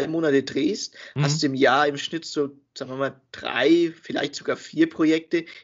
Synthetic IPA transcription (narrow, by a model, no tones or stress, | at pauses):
aɪmoːnatədʁeːsthastd̥uːɪmjaːɐɪmʃnɪtz̥oː | z̥aːɡŋviɐmaːld̥ʁa̰ɪfɪla̰ɪçtz̥oɡaːɐfiːɐpʁ̥ojɛk̚tə